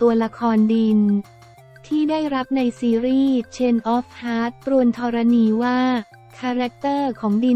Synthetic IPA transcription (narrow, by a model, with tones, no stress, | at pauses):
t̪u˧ɐla˧kʰɔː˧ndi˧n | t̪ʰiː˥˩daː˥˩jɾa˦˥p̚na˧jsiː˧ɾiː˥˩t͡ɕʰe˧nʔɔː˦˥p̚ʰhaː˦˥t̪̚ːɾu˧ənt̪ʰɔː˧ɾa˧niː˧waː˥˩ | kʰaː˧ɾɛ˦˥k̚t̪ɤː˥˩kʰɔː˩˦ŋdi˧